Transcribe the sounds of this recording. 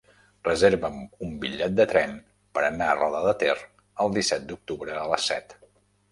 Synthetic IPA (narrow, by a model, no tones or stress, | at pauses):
rəzeɾβəmumbiʎːɛt̪̚d̪ət̪ɾɛn | pəɾənaərɔðəðət̪er | əlˠd̪isɛt̪̚d̪uk̚t̪uβɾəːləsːɛ̰t̪